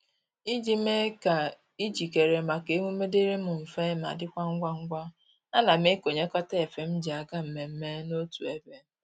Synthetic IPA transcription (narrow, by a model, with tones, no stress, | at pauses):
i˦d͡ʒi˦me˦ka˨ | i˦d͡ʒi˨ke˨ɾe˨ma˨ke˨˦ŋʷu˦me˦de˦ɾe˦mʊ˨m̩˨fe˦ma̰˨dɪ˦kʷa˦ŋ̩˦ɡʷa˦ŋ̩˦ɡʷa˦ | a˦na˨m̩˦e˦ko˨ɲe˦kɔ˦te˦e˨fe˨m̩˦d͡ʒi˨a˨ɡa˦m̩˨me˨m̩˦me˦no˦tu˨e˦be˦